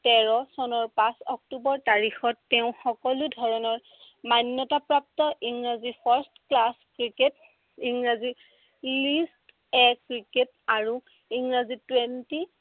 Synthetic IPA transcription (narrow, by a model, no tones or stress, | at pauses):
tɛɹɔsɔnɔɹpãsɔk̚tubɔɹtaɹixɔtːɛʊ̃xɔkɔludʱɔɹɔnɔɹ | manjɔtapɹap̚tɔʔiŋɹazipʰaɹstklaskɹiket̚ | iŋɹazi | list | ɛkɹiket | aɹu | iŋɹazitwenti